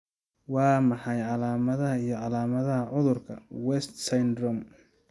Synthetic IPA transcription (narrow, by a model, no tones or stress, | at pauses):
wɑːmɑħɑjʕɑlaːmɐðɐɦɐijɞʕɑlaːmɐðɐɦɐʕʊðʊrkʰɐwɛst̪sɐjnd̪rɔm